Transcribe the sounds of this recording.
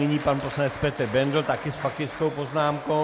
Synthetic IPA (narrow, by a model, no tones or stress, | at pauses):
ɪɲiːpanposlaɲɛt͡spɛt̪ɛɾbɛnd̪l̩t̪akɪspakɪskowpoznaːmko